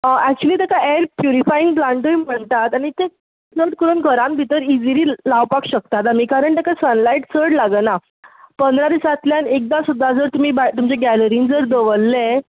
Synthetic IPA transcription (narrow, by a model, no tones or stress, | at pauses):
ʔæk̚t͡ɕuəliːt̪akaeɾpjuɾifaĩŋɡplaɳʈəiːm̤əɳt̪at̪aɽ̃it̪e | t͡səɽkəɾunɡʱəɾãmbʱit̪əɾid͡ziɾiːlaʋpakɕək̚t̪at̪̬amiːkaɾəɳt̪akasənlaiʈt͡səɽlaɡəna | pənd̪ʱɾad̪isat̪ljanek̚d̪asud̪ʱːad͡zəɾt̪um̤iːbat̪umt͡ɕeɡæləɾĩːnd͡zəɾd̪əʋəlːe